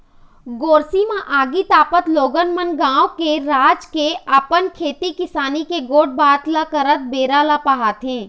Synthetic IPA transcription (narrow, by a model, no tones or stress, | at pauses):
ɡoːɾsimãʔaːɡit̪aːpət̪loːɡənmənɡãːwkeɾaːd͡ʒkeapənkʰeːt̪ikɪsaːnikeɡoːʈ̚baːt̪lakəɾət̪̚beːɾalapaɦat̪ʰɦẽː